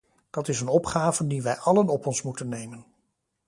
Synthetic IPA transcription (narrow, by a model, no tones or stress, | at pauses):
d̥ɑtɪsənɔpχaːvəndiʋɛjʔɑlənɔpɔnsmutənːejmən